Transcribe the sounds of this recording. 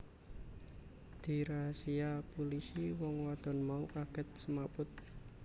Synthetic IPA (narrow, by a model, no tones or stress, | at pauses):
d̪̥i̤ɾasiapulisiwɔŋwad̪̥ɔ̤nmaukaɡ̥ɛ̤t̪̚səmapʊt̪̚